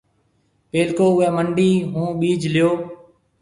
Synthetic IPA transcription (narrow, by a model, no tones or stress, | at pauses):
peːlkoːʊɦẽːməɳɖiːɦũːɓiːd͡ʒlɪjoː